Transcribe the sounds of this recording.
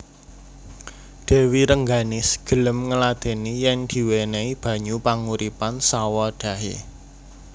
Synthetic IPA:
d̪̥e̤wiɾəŋɡanɪsɡ̥ə̤ləmŋəlad̪̥e̤nijɛŋd̪̥i̤weneib̥ä̤ɲupaŋuɾipansawɔɖ̥ä̤ɦḛ

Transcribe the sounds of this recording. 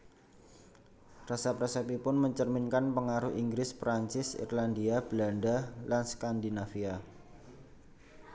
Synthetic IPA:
rasapɾasɛpipʊnməɲt͡ʃərminkanpəŋaɾʊhʔiŋɡɾɪspɾaɲt͡ʃɪsḭrlandiab̥landalanskandinafia

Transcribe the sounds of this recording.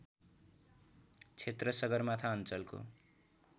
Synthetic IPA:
t͡sʰet̪rʌsʌɡʌrmat̪ʰaʌnt͡sʌlko̰

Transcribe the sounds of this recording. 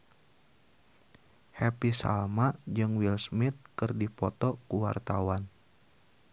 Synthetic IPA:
hɛpisa̰lmad͡ʒɨŋwilsmit̪̚kɨrdipɔt̪ɔkuwa̰rt̪awan

